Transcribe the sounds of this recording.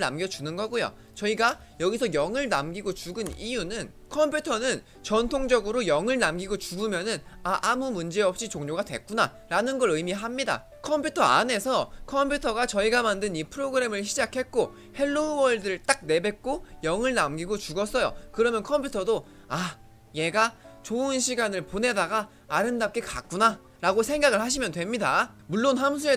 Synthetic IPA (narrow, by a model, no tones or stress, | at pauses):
na̰mɡjʌd͡ʑunɯnɡʌɡojo̰ | t͡ɕʌiɡa | jʌɡisʰʌjʌŋɯɭnamɡiɡot͡ɕuɡɯnijunɯn | kʰʌmpʰjutʰʌnɯn | t͡ɕʌntʰoŋd͡ʑʌɡɯɾojʌŋɯɭnamɡiɡot͡ɕuɡɯmjʌnɯnaʔamumund͡ʑe̞ʌp̚ɕ͈it͡ɕoŋɲoɡadwe̞̰k̚k͈una̰ | ɾanɯnɡʌɾɯimiɦamɲida̰ | kʰʌmpʰjutʰʌa̰ne̞sʰʌkʰʌmpʰjutʰʌɡat͡ɕʌiɡamandɯnipʰɯɾoɡɯɾe̞mɯɭɕ̬ʰid͡ʑakʰe̞t̚k͈o | he̞ɭːouwʌɭdɯɾɯɭt͈ak̚ne̞be̞k̚k͈ojʌŋɯɭnamɡiɡot͡ɕuɡʌs͈ʌjo̰kɯɾʌmjʌnkʰʌmpʰjutʰʌdo | a | je̞ɡat͡ɕoɯnɕʰiɡanɯɭpone̞daɡaː | ɾɯndap̚k͈e̞ka̰k̚k͈una | ɾaɡosʰe̞ŋɡaɡɯɭhaɕ̬ʰimjʌndwe̞mɲida | muɭːonɦams̬ʰue